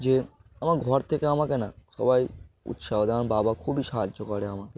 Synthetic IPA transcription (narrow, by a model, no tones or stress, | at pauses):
d͡ʒe | amaɾɡʱɔɾt̪ʰekeamakenaʃɔ̰bajṵt̪ʃabd̪anbabakʰubiʃaɦad͡ʒokɔɽeamake